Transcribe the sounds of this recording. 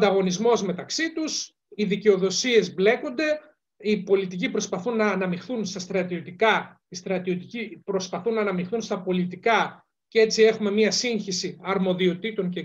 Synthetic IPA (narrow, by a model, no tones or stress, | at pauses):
d̪ɐɣo̞nizmo̞zme̞t̪ɐksit̪us | iðiceo̞ðo̞sie̞zble̞ko̞nd̪e̞ | ipo̞lit̪ic̬ipɾo̞spɐθunːɐːnɐmixθunst̪ɐst̪ɾɐt̪io̞t̪ikɐ | ist̪ɾɐt̪io̞t̪icipɾo̞spɐθunːɐːnɐmixθunst̪ɐpo̞lit̪ikɐ | cee̞t͡sie̞xume̞miɐsiɲçisiɐɾmo̞ðio̞t̪it̪o̞ŋce